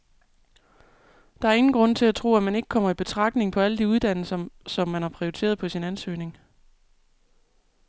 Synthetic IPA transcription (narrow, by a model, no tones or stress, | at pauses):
d̥ɑ̈æɐe̝ŋn̩ɡ̥ʁɔ̽n̰t͡sʰe̝læt͡sʰʁo̝̰ːæmæne̝ɡ̥ə̥kʰɒ̽m̰ɐib̥e̝t͡sʰʁɑ̈ɡ̥̚ne̝ŋpʰɒ̽æləd̥iuð̞ˠd̥æn̰l̩sɐsɒ̽mːænhɑ̈pʰʁioit͡sʰe̝̰ːɐð̞ˠpʰɒ̽sinænsø̰ːne̝ŋ